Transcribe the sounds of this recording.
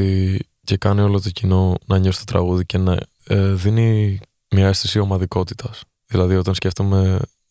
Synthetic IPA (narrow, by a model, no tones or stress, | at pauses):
i | ce̞kɐnio̞lot̪o̞cino̞nɐɲosi̥t̪o̞t̪ɾɐ̰ɣuðice̞nɐ̰ | eðini | mɲɐest̪isio̞mɐðiko̞t̪i̥t̪ɐs | ðilɐðio̞t̪ɐnsce̞ft̪ome̞